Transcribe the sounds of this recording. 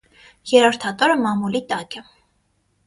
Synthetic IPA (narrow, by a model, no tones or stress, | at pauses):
jɛɾɔɾt̪ʰɑt̪ɔɾəmɑmulit̪ɑkɛ